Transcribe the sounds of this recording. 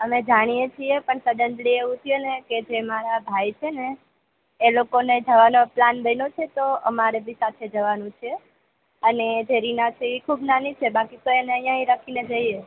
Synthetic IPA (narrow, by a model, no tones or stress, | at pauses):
əmed͡ʒaɽ̃ijet͡ʃʰiepəɳsəɖ̪ənɖ̪lieʋũt̪ʰueneked͡ʒemaɾabʱajt͡ʃʰeneː | lokoned͡ʒəʋanoplanbəjnot͡ʃʰet̪oə̰maɾebʱĩsat̪ʰed͡ʒəʋanũt͡ʃʰe | əned͡ʒʱeɾinat͡ʃiʋikʰubnanit͡ʃʰebakit̪oeneəɦjãɦĩɾakʰined͡ʒəie